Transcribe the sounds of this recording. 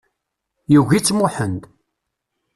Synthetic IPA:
juʝit͡sːmʊħənd̪

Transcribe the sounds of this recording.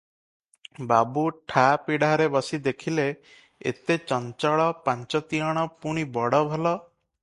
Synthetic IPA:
babuʈʰapiɽaɾebɔsid̪ekʰile | ḛt̪et͡ʃɔnt͡ʃɔɭɔpaɲt͡ʃɔt̪iɔɽ̃ɔpuɽ̃ibɔɽɔbʱɔlɔ

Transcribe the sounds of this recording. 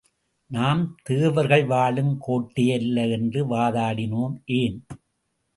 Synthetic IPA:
naːmt̪eːʋɐɾɣɐɭʋaːɭɯmkʰoːʈːɪjɐlːɐɛndrɯʋaːðaːɽɪnoːmʔeːn

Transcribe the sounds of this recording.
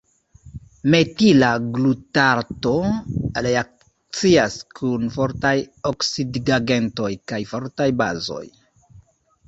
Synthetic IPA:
me̞tilaɡlutaɾto̞ɾeak̚ | t͡siaskʰunfo̞ɾtajoksidɡaɡe̞nto̞jkajfo̞ɾtajba̰zo̞̰j

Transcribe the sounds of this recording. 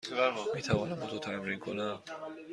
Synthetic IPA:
miːt̪ʰævɒːnæmbot̪ʰot̪ʰæmɾinkʰonæm

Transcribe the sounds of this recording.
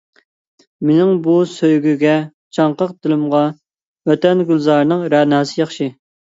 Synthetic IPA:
mɪnɪŋbusøjɡʲyɡʲɛ | t͡ʃʰɑɴqəq̚d̪ɪlɪmʁɑ | wøt̪ɛnɡʲylˠzɑɾnɨŋɾɛnɑːsɨjɑχʃi

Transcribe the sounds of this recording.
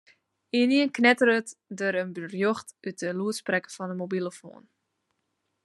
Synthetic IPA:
iniənknɛtəɾətdəɾənbrjøχtyt̚əluəsprɛkəfɑnəmobiləfo̰ːn

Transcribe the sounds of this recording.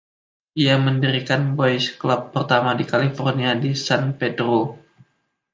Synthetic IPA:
ʔiaməndiɾikanbɔjsklapːərt̪amadikalifɔrniadisanpedɾo

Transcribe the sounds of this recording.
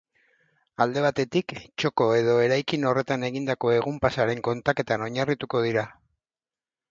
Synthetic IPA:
ald̪e̞β̞at̪e̞t̪ikt͡ʃo̞ko̞e̞ð̞o̞e̞ɾajkino̞re̞t̪ane̞ɣind̪ako̞e̞ɣumpasaɾe̞ŋko̞nt̪ake̞t̪ano̞ɲarit̪uko̞ð̞iɾa

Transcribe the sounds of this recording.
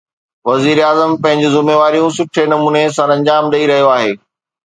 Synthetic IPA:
ʋɐziːɾaːzəmpɐ̃ɦɪ̃ɲd͡ʑɪzʊmeːʋaːɾijũsʊʈʰenɐmuːnes̬ɐ̃ɾɐ̃ɲd͡ʑaːmɗɐiɾɐɦijoaːɦeː

